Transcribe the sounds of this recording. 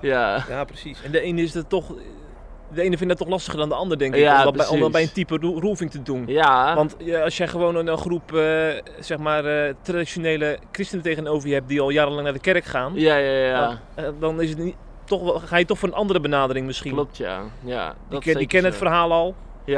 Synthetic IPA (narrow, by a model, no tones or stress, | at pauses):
jajaːprəsisɛndəeːnəɪsdɔtːɔx | dəeːnəfɪndɔtːɔxlˠɑstəχərdɔndəɑndərdɛŋkɪkɛbɛjəntipəruvɪŋtədunaʋɑntɔsjɛjxəʋoːnənənxrupə | sɛxmaːrtradisjoneːləkrɪstənəteːɣənowvərjhɛp̚diɔlˠjaːɾəlɑŋnadəkɛrkχaːnaja | dɔnɪsət | tɔxxaːjətɔxfoːɾənʔɑndərəbənaːdərɪŋmɪsxil̚tja̰a | dikɛnəətfərɦaːlˠɔlˠ